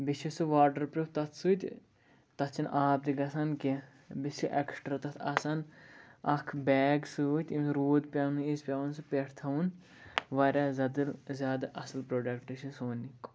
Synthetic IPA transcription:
biʃʰisɨʋaːɾɖɐɾpɾʲuft̪ɐt̪ʰsuːt̪ʲ | t̪ɐt͡ʃʰinʔaːb̚d̪iɡɐsɐnke | bist͡ʃʰiʔeksʈɾat̪ɐt̪ʰɐ̰sɐnɐkʰbɛːɡsut̪ʲimɾoːd̪pʲɐnɨispʲaunsɨpʲeʈʰt̪ʰɐun | ʋɐɾʲazɐd̪ɨlzʲjaːd̪aʔɐslpɾoːɖɐkʈːit͡ʃʰisoːnik

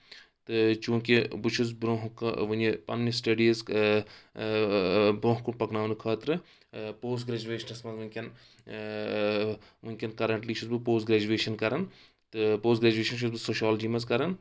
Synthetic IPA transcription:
t̪ɨt͡ʃũːkibɨt͡ʃʰuz̬bɾoːɦkʋɐnepɐ̰nːisʈɐɖiːz | bɾõːɦkuɳpɐknaːnukʰɐːt̪ɾɨ | poːs̬ɡɾeːd͡ʒuʋeːʃɐnɐsmɐzʋunʲkʲɐn | ʋunʲkʲɐnkɐɾɐɳʈliːt͡ʃʰuzbɨpoːsɡɾeːd͡ʒuʋeːʃɐnkɐɾɐn | t̪ɨpoːs̬ɡɾeːd͡ʒueːʃɐnt͡ʃʰuzbɨsoːʃaːlɐd͡ʒiːmɐzkɐɾɐn

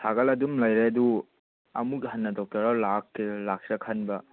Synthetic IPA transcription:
tʰaɡɐlɐdumlɐjɾeɐdu | ɐ̰muɡiɦɐnːɐdɔk̚tɐɾalakːlak̚ɾɐkʰɐnbɐ

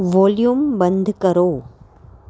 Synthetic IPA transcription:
ʋoːljumbɐnd̪ʱɯkɐɾoː

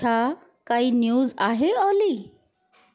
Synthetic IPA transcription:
a | kaiːnjuːzaɦeɔliː

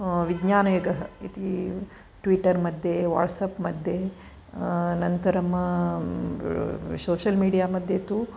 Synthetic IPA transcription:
ʋiɡɲaːnɐʋeːɡɐɦɐit̪i | ʈʋiʈːɐɾmɐd̪ʱjeʋa̰ːʈsɐpmɐd̪ʱje | nɐnt̪ɐɾɐmɐ | soːʃɐlmiːɖijaːmɐd̪ʱjet̪u

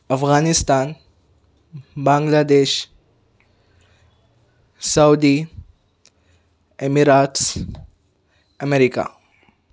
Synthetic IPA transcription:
ɐfɣaːnist̪aːn | bãŋɡlaːd̪eːʃ | sawd̪i | emiɾats | əmeɾika̰

